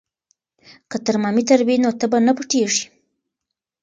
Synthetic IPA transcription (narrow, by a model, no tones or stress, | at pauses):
kət̪əɾmɑmit̪aɾwinot̪əbanapəʈeʐi̥